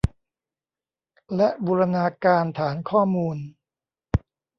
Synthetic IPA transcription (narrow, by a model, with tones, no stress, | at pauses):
lɛ˦˥ʔbuː˧ɾa˧naː˧kaː˧nt̪ʰaː˩˦nkʰɔː˥˩muː˧n